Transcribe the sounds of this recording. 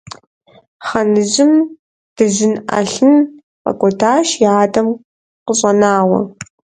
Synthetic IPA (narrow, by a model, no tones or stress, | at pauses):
χɐnɨʑɪm | d̥ɨʑɪnʔɐ̰ɬɨn | pʼɐ̰kʷʼɔtʰaːʃjaːdɐm | qəɕʼɐnaːwɐ̰